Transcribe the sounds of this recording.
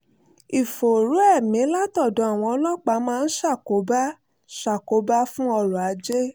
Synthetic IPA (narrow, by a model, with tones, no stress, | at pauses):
i˨fo˨ɾu˨˦ɛ˦˨mĩ˨˦la˦tɔ˦˨dɔ̃˨˦a˦˨w̃ɔ̃˧ɔ˧˦lɔ˦k͡pa˧˦mãː˦˧n̩˦ʃa˦˨ko˨˦ba˦ | ʃa˨ko˨˦ba˦fũ˦ɔ˧ɾũ˨a˨˦d͡ʒe˦